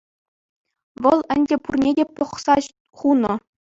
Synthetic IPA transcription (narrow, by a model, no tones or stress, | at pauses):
ʋɤ̆lˠɘ̆nʲdʲepurnʲedʲepɤ̆χsɑ | χunɤ̆